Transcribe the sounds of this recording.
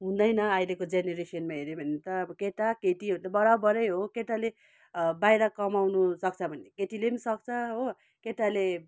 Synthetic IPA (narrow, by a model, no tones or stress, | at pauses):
ɦũnd̪ʌjnʌʌjlekod͡zeneɾesiʌnmaɦeɾebʱʌnet̪ʌːbʌkeʈakeʈit̪abʌɽabʌɾʌjɦokeʈale | bajɾʌkʌmawnusʌk̚t͡sʰʌbʱʌnekeʈilenisʌk̚t͡sʰʌɦo | keʈale